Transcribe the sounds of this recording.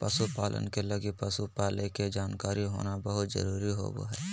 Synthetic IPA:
pəsupaːlʔə̰nkelɐɡipəsupaːleked͡ʒaːnkaːɾiɦo̰ːnabəɦʊt̪zə̰ɾuːɾiɦo̰bo̰ɦɛː

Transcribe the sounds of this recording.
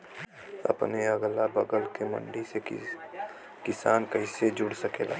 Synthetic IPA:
ə̰pneəɡlabəɡəlkemə̰̃ɳɖise | kɪsaːnkəɪsed͡ʒʊɽsəkeːla̰

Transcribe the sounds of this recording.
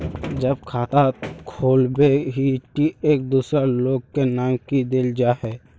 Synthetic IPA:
d͡ʒəb̚kʰaːt̪akʰoːlbeɦiʈieːk̚d̪uːsɾeloːɡkenaːmkid̪eld͡ʒaɦɛ

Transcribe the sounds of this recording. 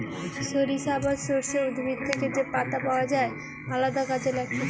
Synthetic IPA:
ʃoɾiʃabaʃoɾʃeud̪ʱbʱid̪̚t̪ʰeked͡ʑepat̪apaoad͡ʑae | alad̪akad͡ʑelɛk̚ʈʰi

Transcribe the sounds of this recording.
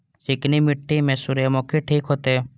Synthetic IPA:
t͡ʃɪknimɪʈːimẽːsuɾjəmoːkʰeʈʰiːkɦot̪eː

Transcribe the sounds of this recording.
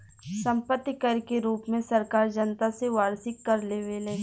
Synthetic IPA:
sɐ̃mpət̪ːikəɾkeɾuːpmẽsɐɾkaːɾd͡ʒənt̪aseʋaːɾsɪkːɐɾleːʋelẽː

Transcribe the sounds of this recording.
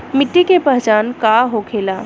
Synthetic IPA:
mɪʈːikepəɦt͡ʃankaɦokʰela

